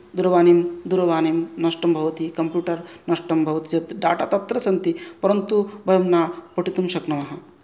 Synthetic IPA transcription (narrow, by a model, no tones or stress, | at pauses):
d̪uɾɐʋaːnimd̪uɾɐʋaːnimnɐʂʈɐmbʱɐʋɐt̪ikɐmpjuːʈɐɾnɐʂʈɐmbʱɐʋɐt̪id͡ʒɐt̪ɖa̰ːʈa̰ːt̪ɐt̪ːɾɐsɐnt̪ipɐɾɐnt̪ubʱɐjɐmnaːpɐʈit̪umʃɐknɐmɐɦɐ̆